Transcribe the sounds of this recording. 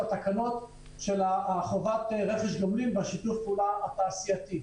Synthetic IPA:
at̪akano̞t̪ | ʃe̞laχovat̪eʁe̞χeʃdomlimbaʃit̪ufpuːlaat̪aːsijat̪i

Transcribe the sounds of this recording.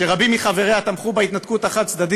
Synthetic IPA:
eʁabimːiχaveʁeat̪amχubait̪nat̪kut̪aχat̪̚t͡sd̪ad̪i

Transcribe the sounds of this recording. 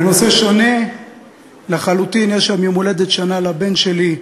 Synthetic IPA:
nose̞ʃo̞ne̞ | leχalut̪injeʃamjemoled̪et̪ʃanalabe̞nʃe̞li

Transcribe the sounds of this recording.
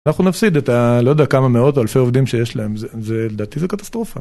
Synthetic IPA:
naχnunafsid̪et̪alojdeakamameo̞toalfe̞jo̞vdimʃe̞jeʃlae̞mzzeled̪aːt̪izekat̪ḁst̪ʁo̞fa

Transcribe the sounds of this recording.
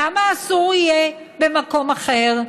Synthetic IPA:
amaːsuʁije | bemako̞maχeʁ

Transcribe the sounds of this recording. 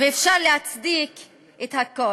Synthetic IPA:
veefʃaʁlehat͡sd̪ik | ʔethako

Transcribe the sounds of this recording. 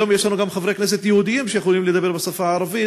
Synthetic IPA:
omjeʃlanuɡamχavɾejknes̬et̪jehud̪ijimʃejexolimled̪abe̞ɾbesafaʕaɾavi

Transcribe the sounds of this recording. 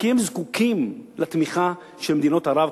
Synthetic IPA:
kiemzkukimlat̪miχa | ʃelmed̪ino̞thaɾav

